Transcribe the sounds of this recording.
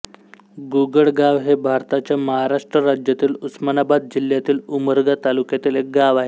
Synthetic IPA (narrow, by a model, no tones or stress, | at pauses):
ɡuɡəɭɡaʋɦebʱaɾt̪at͡ɕjaməɦaɾaʂʈɾəɾad͡ʑjat̪iːlusmanabad̪̚d͡ʑil̤jat̪iːluməɾɡat̪alukjat̪iːlek̚ɡaʋaɦe